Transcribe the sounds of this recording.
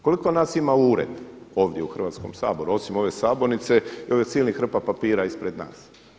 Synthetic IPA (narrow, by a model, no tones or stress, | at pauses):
ko̞liko̞naːsimauːɾḛd̪o̞ːʋd̪jeuxr̩ʋaːt̪sko̞̰msa̰ːbo̞ɾuo̞simo̞ʋesaːbo̞nit̪seio̞ʋjesiːlnixɾr̩papapiːɾaispɾe̞d̪na̰ːs